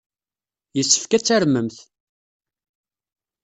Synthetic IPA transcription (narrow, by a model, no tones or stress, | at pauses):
jəsːə̥fkæt͡sːæɾməmθ